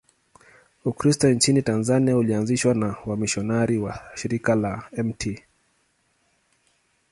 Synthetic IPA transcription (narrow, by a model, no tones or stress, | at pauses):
ukɾistɔnt͡ʃinitanzaniaulianziʃwanawamiʃɔnaɾiwaʃiɾikalaɛmtʰi